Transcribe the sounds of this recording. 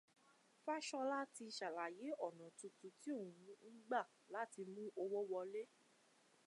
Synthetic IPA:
fa˦ʃɔ˧la˦ti˧ʃa˨la˨je˨˦ɔ˦˨nã˨tũ˧tu˧ti˦o˦˨ũ˨˦mũ˦n̩˦ɡ͡ba˦˨ | la˦ti˧mũ˦ʔo˧wɔ˦wɔ˧le˦

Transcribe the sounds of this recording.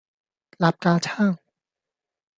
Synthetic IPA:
la˨˦˥p̚kaː˧t͡ɕʰaː˥˩ŋ

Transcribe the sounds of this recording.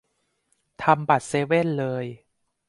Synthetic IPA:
t̪ʰa˧mba˨˩t̪̚seː˧˦we˥˩nlɤː˧j

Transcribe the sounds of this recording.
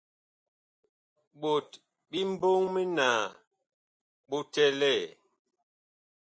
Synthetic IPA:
ɓo˨t | ɓi˦m̩˦bo˦ŋmi˦naː˨ | ɓo˦tɛ˦lɛ˦˨

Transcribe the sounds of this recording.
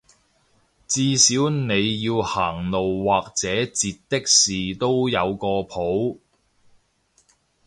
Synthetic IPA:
t͡siː˧siː˨˥wne˨˧jːiː˧whaː˨˩ŋlo˨wːaː˨k̚t͡sɛː˨˥t͡siː˨t̚t̪ːɪ˥k̚siː˨˩t̪o˥wjɐ˨˧wkɔː˧pʰo˨˥w

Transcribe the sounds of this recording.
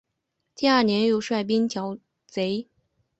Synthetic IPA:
t̪i˥˧a˞˥˩njɛ˧˥njo˥˧ʊʂwa˥˩ɪp̬i˥nt͡ɕjɑ˧˥ʊ | t͡se˧˥ɪ

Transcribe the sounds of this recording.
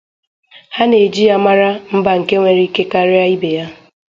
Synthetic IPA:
ha˦ne˨d͡ʒi˦ja˦ma˦ɾa˦m̩˦ba˨ŋ̩˨ke˦ŋʷe˨ɾi˦ke˦ka˦ɾɪ˦a˦i˦be˨ja˦

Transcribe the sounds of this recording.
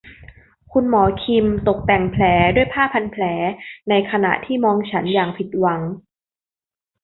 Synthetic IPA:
kʰu˧nmɔː˩˦kʰi˧mt̪o˨˩k̚t̪ɛ˨˩ŋpʰlɛː˩˦du˥˩əjpʰaː˥˩pʰːa˧npʰlɛː˩˦na˧jkʰa˧na̰˨˩ʔt̪ʰiː˥˩mɔː˧ŋt͡ɕʰa˦˥njaː˨˩ŋpʰi˨˩t̪̚wa˩˦ŋ

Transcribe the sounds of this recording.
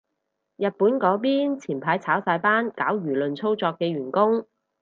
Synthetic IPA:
jɐ˨t̚puː˨˥nkɔː˨˥piː˥nt͡sʰiː˨˩npʰaː˨˥jt͡sʰaː˨˥wsaː˧jpaː˥nkaː˨˥wjyː˨˩lɵ˨nt͡sʰo˥wt͡sɔː˧kːɛː˧ɥyː˨˩nkʊ˥ŋ

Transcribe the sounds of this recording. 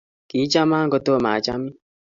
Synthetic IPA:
ki˨˦t͡ʃa˦ma˦ŋ˦ɡɔ˦to˦˨maː˨t͡ʃa˦mi˦

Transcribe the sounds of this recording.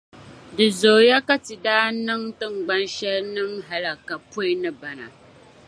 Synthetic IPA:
dɨ˨zoː˨ja˦ka˦ti˨daː˦nɨ˦ŋtɨ˦ŋ͡mɡ͡bɐ˦nʃɛ˦lnɨ˦mɦa˨la˨ka˨po˦ɪ˦nɨ˦ba˨na̰˨

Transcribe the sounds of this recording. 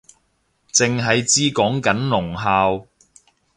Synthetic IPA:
t͡sɪ˨ŋɦɐ˨jt͡siː˥kɔː˨˥ŋkɐ˨˥nlʊ˨˩ŋɦaː˧w

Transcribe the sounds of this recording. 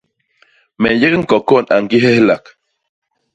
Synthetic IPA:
me˨je˦kŋ˦ko˨ko˦˨nʔa̰˨ŋki˦ɦe˦hla˨k

